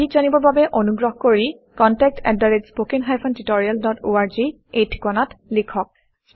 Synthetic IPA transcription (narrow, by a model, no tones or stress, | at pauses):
ikzanibɔɹbabɛʔonuɡɹɔɦkoɹi | kɔntɛk̚tɛ̰daɹetspokiŋɦajpʰɔntitɔɹialdɔtoaɹzi | ejtʰi̥kɔnatlikʰɔk̚